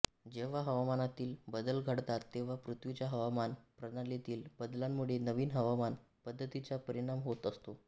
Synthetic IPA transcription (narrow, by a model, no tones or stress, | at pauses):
d͡ʑeʋ̤aɦəʋamanat̪iːlbəd̪əlɡʱəɽt̪at̪ːeʋ̤apɾut̪ʰʋit͡ɕjaɦəʋamanpɾəd̪alet̪iːlbəd̪lamːuɭenəʋiːnɦəʋaman | pəd̪ʱːət̪it͡sapəɾiɽ̃amɦot̪əst̪o